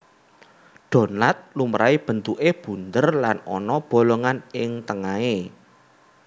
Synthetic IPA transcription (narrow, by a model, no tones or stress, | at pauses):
ɖ̥o̤nlat̪̚lumɾʔaib̥ə̤nt̪uʔeb̥ṳnd̪ərlanɔ̰nɔb̥o̤loŋanɪŋt̪əŋae